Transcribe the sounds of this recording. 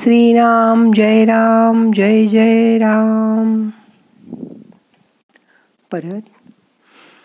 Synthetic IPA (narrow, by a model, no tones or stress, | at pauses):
sɾiːɾaːmd͡ʒɐjɾaːmd͡ʒɐjd͡ʒɐjɾaːm | pɐɾɐt̪